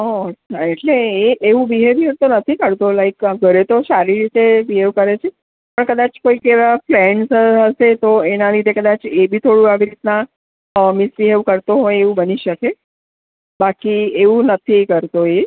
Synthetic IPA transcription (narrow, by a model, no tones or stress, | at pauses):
ɔət͡ʃʰaeʈleeʔeʋũbiɦeʋiɦeɾt̪onət̪ʰikəɽt̪olaikɡʱəɾet̪osaɾiɾit̪ebiɦeʋkəɾet͡ʃʰe | pəɳkəd̪at͡ʃkoikeʋaflɛɳɖsəɦəset̪oenalid̪ʱekəd̪at͡ʃebʱit̪ʰoɽũaʋiɾit̪na | misbiɦeʋkəɾt̪oɦojeʋũbəniʃəke | bakieʋũnət̪ʰikəɾt̪oe